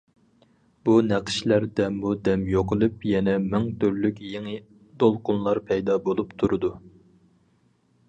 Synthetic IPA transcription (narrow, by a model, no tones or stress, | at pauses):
b̥unæqʰʃlæɾd̪ɛmːud̪ɛmjoqɨlˠɨpjɛnɛmæŋt̪ʰøɾlykʲjeŋɪ | d̪olˠqʊnlˠɑɾpʰɛjd̪ɑbolˠupt̪ʰuɾɨd̪u